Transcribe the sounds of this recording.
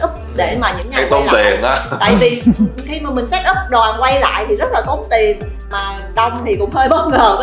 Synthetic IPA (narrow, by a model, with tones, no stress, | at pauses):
ʔʊ˦˥k͡p̚ɗe˧˩maː˨˩ɲɨ̰˧˥ŋka˨˦˧jt̪o˧˨t̪ɛ˨˩ənʔaː˧˦a̰ː˧˨jvi˨˩xi˧maː˨˩mï˨˩ŋ̟sa˦˥k̚ʔɨ˦˥p̚ɗwaː˨˩nkwa˧jla̰ː˧˨jt̪ʰi˨˩zə˦˥t̚laː˨˩t̪o˨˦ŋ͡mt̪i˨˩n | maː˨˩ | ɗɔ˧wŋ͡mt̪ʰi˨˩kʊ̰˧˥ŋ͡mhəː˧jɓa˨˦˥w̚ŋəː˨˩